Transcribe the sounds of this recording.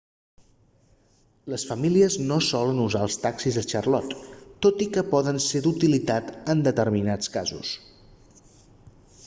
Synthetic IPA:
ləsfəmiliəznosɔlənuzaəlˠst̪aksizəʃərlɔt̪ːot̪ikəpɔðənsed̪ut̪ilit̪at̪ənd̪ət̪əɾminat͡skazṵs

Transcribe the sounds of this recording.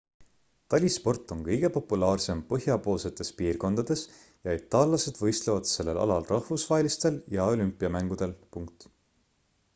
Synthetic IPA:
t̪ɑlʲispo̞rt̪ːˑo̞ŋkɤjɡ̥e̞po̞pːulɑːrse̞mpɤɦjɑpo̞ːlse̞t̪ːˑe̞spiːrko̞nd̪̥ɑd̪̥e̞s | jɑit̪ːˑɑːlːɑse̞d̪̥vɤ̞jst̪levɑd̪̥se̞lːe̞lʔɑ̰lɑlrɑhvusvɑɦelist̪e̞ljɑo̞lympːˑiɑmæŋɡ̥ud̪̥e̞lpuŋk̚t̪ˑ

